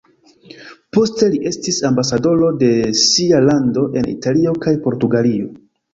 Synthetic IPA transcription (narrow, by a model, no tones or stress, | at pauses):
po̞ste̞liʔe̞stisambasado̞lo̞de̞sialando̞ʔe̞nḭtalio̞kajpo̞ɾtuɡalio̞